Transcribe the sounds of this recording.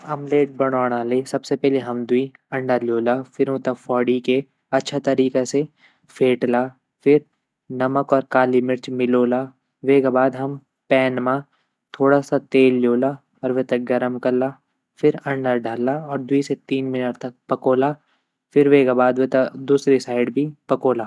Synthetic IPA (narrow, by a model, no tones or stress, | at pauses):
ɐmleːʈ̚bɐɽ̃ɔːɽ̃aːleːsɐbsepɛɦleɦɐmd̪ʊi | ɐ̃ɳɖəɾljoːlafɪɾõːt̪afɔːɽike | ɐtːʃʰat̪ɐɾiːkese | feːʈlaː | fɪɾ | nɐməkɔːɾkaːlimɪɾt͡ʃmɪloːlaː | ʋeːkabaːd̪ɦɐm | pɛːnmã | t̪ʰoːɽasat̪eːlːoːlaː | ɔːɾʋet̪ɐk̚ɡɐɾəmkɐlaː | fɪɾɐ̃ɳɖəɾɖʱaːlaɔːɾd̪ʊiset̪iːnmɪnəʈt̪ɐk̚pɐkoːla | fɪɾʋekabaːd̪ʋet̪ɐd̪uːsɾisaːɪɖbʱipɐkoːlaː